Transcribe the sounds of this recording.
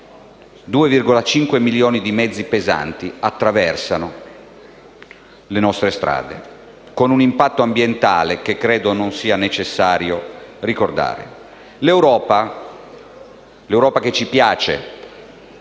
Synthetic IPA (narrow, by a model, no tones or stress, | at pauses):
d̪uːevirɡolat͡ʃiŋkwemiljoːnid̪imɛd̪zːipeza̰nt̪iat̪ːɾavɛrsano | lenɔst̪ɾest̪ɾa̰ːd̪ḛ | konunimpat̪ːoambjent̪a̰ːlekekːɾeːd̪ononsiːanet͡ʃesːaːɾjorikord̪a̰ːɾḛ | lewɾɔːpa | lewɾɔːpaket͡ʃːipjaːt͡ʃḛ